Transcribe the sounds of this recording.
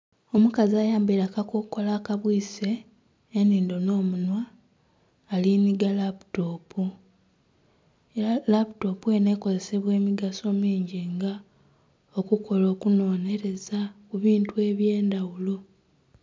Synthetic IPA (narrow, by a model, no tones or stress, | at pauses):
o̞mukaziaːjaːmbiɾakakokko̞laːkaβwiːse̞ː | niːndo̞no̞ːmunwaː | liniɡalapu̥to̞ːpu | ealaputo̞pue̞ne̞ko̞ze̞se̞βwe̞ːmiɡaso̞ːmiːɲɟiŋɡa | okukʰo̞lo̞ːkuno̞ːne̞ɾe̞zakuβiːntue̞ːβje̞ːndawulo